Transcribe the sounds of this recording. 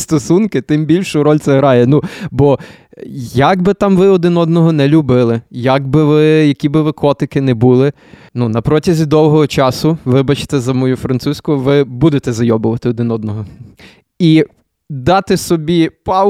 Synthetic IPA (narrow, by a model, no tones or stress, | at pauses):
st̪ɔsunkɪt̪ɪmbʲilʲʃʊɾɔlʲt̪ɛɦɾɑjɛnubɔ | jɐɡbɪt̪ɑmʋɪɔd̪ɪnɔd̪̚nɔɦɔnɛlʲubɪlˠɪjɐɡbɪʋɪjɐkʲibɪʋɪkɔt̪ɪkɪnɛbulˠɪ | nunɐpɾɔtʲɐzʲid̪ɔwɦɔɦɔt͡ʃɑsʊʋɪbɐt͡ʃe̥t̪ɛzɐmɔjufɾɐnt̪susʲkʊʋɪbud̪et̪ɛzɐjɔbʊʋɐt̪ɪɔd̪ɪnɔd̪nɔɦɔ | i | d̪ɑt̪ɪsɔbʲipɑ